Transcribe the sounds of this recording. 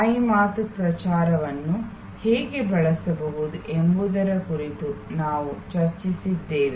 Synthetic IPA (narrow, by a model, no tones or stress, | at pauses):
ɐjmaːt̪upɾɐt͡ʃaːɾɐʋɐnːu | hɛːɡe̞bɐɭɐsɐbɐʋud̪uʔembud̪ɐɾɐkuɾit̪unaːʋut͡ʃɐɾt͡ʃisid̪ːeːʋe